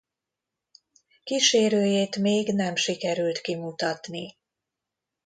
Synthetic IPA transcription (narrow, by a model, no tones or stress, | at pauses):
kiʃeːɾøːjeːt̪meːɡnɛmʃikɛɾylt̪kimut̪ɒt̪ni